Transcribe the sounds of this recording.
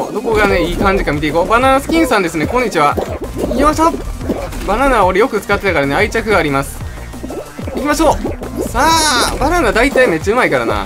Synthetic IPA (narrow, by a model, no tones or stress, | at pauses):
d̪o̞ko̞ɡane̞iːkãɲ̟d͡ʑikamʲit̪e̞ikoːbananasɨ̥kʲĩɰ̃sãnd̪esɨne̞kõɲ̟ːit͡ɕiβa | aɕa | bananaoɾe̞jo̞kɯ̟t͡sɨ̥kat̪ːe̞t̪akaɾane̞ait͡ɕakɯ̟ɡaːɾʲimasɨ̥ | ikʲimaɕo̞ːsaːbananad̪ait̪aime̞t̚t͡ɕːaɯ̟maikaɾa̰na̰